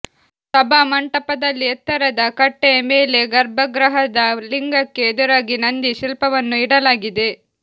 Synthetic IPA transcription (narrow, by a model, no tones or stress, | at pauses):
t̪ɐbamɐɳʈɐpɐd̪ɐlːiɐt̪ːɐɾɐd̪ɐkɐʈːejɐmeːle̞ɡɐɾbʱɐɡɾɐɦɐd̪ɐliŋɡɐkːe̞ːd̪uɾaːɡinɐnd̪iʃilpɐʋɐnːuiɽɐlaːɡid̪e̞